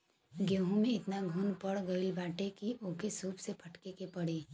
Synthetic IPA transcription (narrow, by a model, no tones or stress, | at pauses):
ɡeːɦũmẽɪt̪naɡʱuːnpɐɽɡəɪlbaːʈekiʔoːkesuːpsepʰɐʈkekepɐɽiː